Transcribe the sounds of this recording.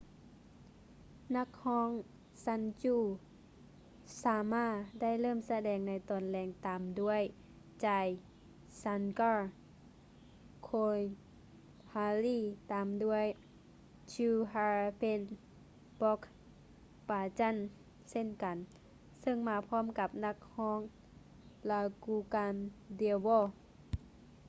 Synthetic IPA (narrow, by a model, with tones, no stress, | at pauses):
na˧˥k̚hɔː˧˥˨ŋ | sa˧˥nt͡ɕuː˧˩ | saː˨˧˦maː˧˥˩t̚da˥˨jlɤː˥˩˨msa˧dɛː˨˩ŋna˧˥jt̪ɔː˨˩nlɛː˧˩ŋt̪aː˨mdu˧˥˩əj | t͡ɕaː˧j | sa˧˥nka˧˩ | kʰoː˧j | haː˧liː˧˥˩t̪aː˨mdu˧˥˩əj | t͡ɕuː˧ɦaː˧pe˧n | bɔ˧˥k | paː˨˧t͡ɕa˧˥˨n | se˥˨nka˨n | sɤ˧˥˨ŋmaː˧pʰɔː˧˥˨mka˧˦p̚na˧˥k̚hɔː˧˥˨ŋ | la˧˩kuː˧˩kaː˧ndi˧wɔː˧˨